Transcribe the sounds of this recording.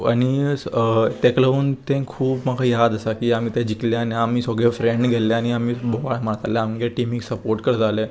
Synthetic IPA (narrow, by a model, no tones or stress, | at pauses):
a̰ñi | t̪ekləuːnt̪ẽkʰuːbmakʰajad̪əsakiːam̤iːt̪ɛ̃d͡ʑikleaneamiːsɔɡɭefɾeɳɖɡʱɛlɛañiamiːboʋaɭmaɽt̪alɛamɡeʈimiksəpoɾʈkəɾd͡zʱalɛ